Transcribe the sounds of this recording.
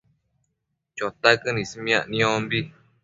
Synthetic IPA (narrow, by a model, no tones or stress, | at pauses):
t͡ʃot̪akɨnĩsimj̃ãʔnĩõmbi